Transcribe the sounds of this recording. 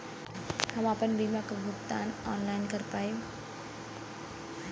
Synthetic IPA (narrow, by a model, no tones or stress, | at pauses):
hɐmapənbiːmakɡʱʊpt̪aːnɔːnlaːɪnkəɾpaːj